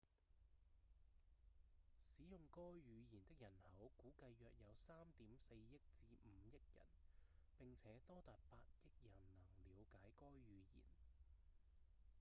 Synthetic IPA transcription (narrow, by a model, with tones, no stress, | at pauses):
siː˨˥jʊ˨˧ŋkɔː˥ɥyː˨˧jiː˨˩nt̪ɪ˥k̚jɐ˨˩nhɐ˨˥wkuː˨˥kɐ˧jːœː˨˧k̚jɐ˨˧wsaː˥mt̪iː˨˥mse˧jːjɪ˥k̚t͡siː˧m̩ː˨˧˦jɐ˥k̚jɐ̰˨˩npɪ˨ŋt͡sʰɛː˨˥t̪ɔː˥t̪aː˨t̚paː˧t̚jɪ˥k̚jɐ˨˩nnɐ˨˩ŋliː˨˧wkaː˨˥jkɔː˥jɥyː˨˧jḭː˨˩n